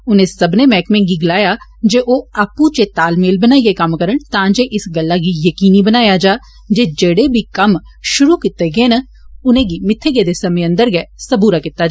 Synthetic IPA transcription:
ʊnẽːsəbneːmɛːkmẽːɡiːɡɪlaːjaːd͡ʒeːʔoːaːpũːt͡ʃet̪aːlmeːlbənaːiːɡeːkəmkəɾəɳt̪ãːd͡ʒeːʔɪsɡəlːaːɡiːjəkiːniːbənaːjaːd͡ʒaː | d͡ʒeːd͡ʒeːɽeːbʱiːkəm | ʃʊɾuːkɪt̪ːeːɡeːnə | ʊnẽːɡiːmɪt̪ʰːeːɡeːd̪eːsəmẽːə̃nd̪əɾɡɛːsəbuːɾaːkɪt̪ːaːd͡ʒaː

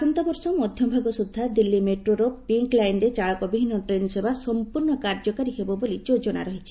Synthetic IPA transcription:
sɔnt̪ɔbɔɾsɔmɔd̪ʱjɔbʱaɡɔsud̪ʱːad̪ilːimeʈɾoɾɔpiŋklajɳɖet͡ʃaɭɔkɔbibʱinːɔʈɾensebasɔmpuɾɳɔkaɾd͡ʒɔkaɾiɦebɔbolid͡ʒod͡ʒɔɽ̃a̰ɾɔɦit͡ʃʰi̥

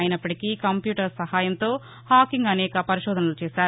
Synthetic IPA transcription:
jinɐpːɐʈikiːkɐmpjuːʈɐɾsɐhaːjɐnt̪o̞ː | haːkiŋɡɐnɛːkɐpɐɾiʃɔːd̪ʱɐnɐlut͡ʃɛːʃaːɾu

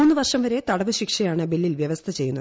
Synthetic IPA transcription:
uːnːɨʋɐrʂɐmʋɐɾe̞t̪ɐɽɐʋɨɕikʂɐjaːɳɨbelːilʋjɐʋɐst̪ʰɐt͡ɕe̞jːunːɐð

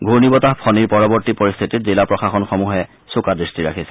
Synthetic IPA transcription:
ɡʱuɹnibɔtaɦpʰɔniɹpɔɹɔbɔɹtipɔɹist̪ʰitit̚zilapɹɔxaxɔnxɔmuɦɛ | sokadɹistiɹa̰kʰisɛ̥

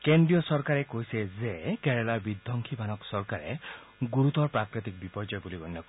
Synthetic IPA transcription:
keɳɖɾijɔsɔɾkaɾekojsezekeɾelaɾbid̪ʱːɔŋkʰibʱanɔksɔɾkaɾḛ | ɡuɾut̪ɔɾpɾakɾit̪ik̚bipɔɾd͡ʒɔjbuliɡɔnːɔk

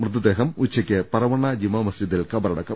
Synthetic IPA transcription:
mrɨt̪ːɐd̪eːɦɐmut͡ɕʰːɐkʲːɨpɐɾɐʋɐɳːɐd͡ʑimɐmɐsd͡ʑid̪ːilkɐbɐɾɐɽɐkːɐ

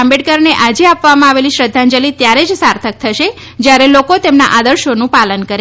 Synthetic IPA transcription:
ambeɽkəɾneʔad͡ʒeapʋamãaʋeliʃɾəd̪ʱːãnd͡ʒəlit̪jaɾed͡ʒsaɾt̪ʰək̚t̪ʰəʃe | d͡ʒjaɾelokot̪emnaʔad̪əɾʃonũpalənkəɾe

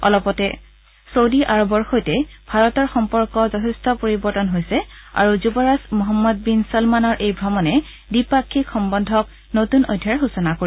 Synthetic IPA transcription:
ɔ̰lɔpɔtɛ | sowdiʔaɹɔbɔɹxojtɛbʱaɹɔtɔɹxɔmpɔɹkɔzɔtʰɛstɔpoɹibɔɹtɔnɦojsɛa̰ɹuzubɔɹasmɔɦɔmːɔd̚binsɔlmanɔɹʔejbʱɹɔmɔnɛ | bipakʰːikxɔmbɔndʱɔk̚ | notunojdʱːaɹxusɔnakoi

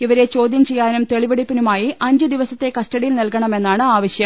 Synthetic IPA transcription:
iʋɐɾe̞t͡ɕo̞ːd̪jɐmt͡ɕe̞jːaːnumt̪e̞ɭiʋɐɽipːinumaːjiʔɐɲd͡ʑɨd̪iʋɐsɐt̪ːe̞kɐstɐɽijilnilkɐɳɐme̞nːaːɳɨaːʋɐɕjɐm

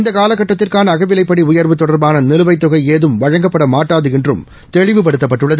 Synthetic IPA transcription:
nd̪ɐkaːlɐkːɐʈːɐt̪ːɪrkaːnɐːɣɐʋɪlɐɪpːɐɽiʊjɐɾʋɯt̪ːɔɽɐɾbaːnɐnɪlɯʋɐɪt̪ːʊɣɐɪeːðɯmʋɐɻɐŋɡɐpːɐɽɐmaːʈːaːðɯɪndrɯm | t̪ɛɻɪʋɯp̬ɐɽɯt̪ːɐpːɐʈːɯɭːɐðɯ

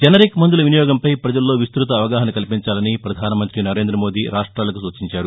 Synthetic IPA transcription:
d͡ʒɐnɐɾikmɐnd̪ulɐʋinijɔːɡɐmpɐjpɾɐd͡ʒɐlːo̞ːʋist̪ɾut̪ɐːʋɐɡaːɦɐnɐkɐlpiɲt͡ʃaːlɐnipɾɐd̪ʱaːnɐmɐnt̪ɾinɐɾeːnd̪ɾɐmo̞ːd̪iːɾaːʂʈɾaːlɐkusuːt͡ʃiɲt͡ʃaːɾu

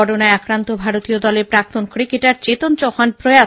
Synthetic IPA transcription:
ɔʈonaeakɾant̪obʱaɾot̪iod̪ɔleɾpɾak̚t̪onkɾikeʈaɾt͡ɕet̪ont͡ɕɔhanpɾoja

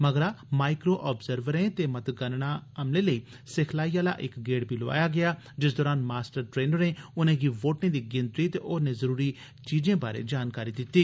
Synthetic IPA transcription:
məɡəɾaːmaːɪkɾoːʔɔːbzəɾʋəɾẽːt̪eːmət̪ɡənɳaːəmlẽːləiː | sɪkʰlaːijaːla̰ːʔɪkɡeːɽbʱiːloa̰ːjaːɡɪaː | d͡ʒɪs̬d̪ɔːɾaːnmaːsʈəɾʈɾeːnəɾneːʊnẽːɡiːʋoːʈẽːd̪iːɡɪnt̪ɾiːt̪eʔoːnẽːzəɾuːɾiː | t͡ʃiːd͡ʒẽːbaːɾḛːd͡ʒaːnkaːɾiːd̪ɪt̪ːiː

